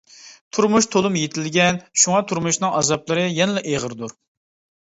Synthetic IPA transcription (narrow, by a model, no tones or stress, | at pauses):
t̪ʰuɾmuʃt̪ʰolˠumjet̪ʰɪlɡʲɛnʃuŋɑt̪ʰuɾmuʃnɨŋɑzɑplˠɨɾɨjɛnɪlɛʔeʁəɾd̪uɾ